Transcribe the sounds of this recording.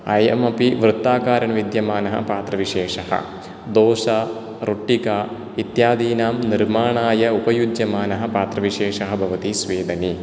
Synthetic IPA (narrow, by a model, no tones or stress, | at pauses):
ɐjɐ̰mɐpiʋɾɨt̪ːaːkaːɾɐɳʋid̪jɐmaːnɐɦɐ̰paːt̪ɾɐʋiʂeːʂɐhɐ̰ | d̪oːʃɐ | ɾuʈːika | it̪jaːd̪iːnaːmniɾmaːɳaːjɐupɐjud͡ʒjɐmaːnɐɦɐ̆paːt̪ɾɐʋiʂeːʂɐɦɐ̆bʱɐʋɐt̪isʋeːd̪ɐni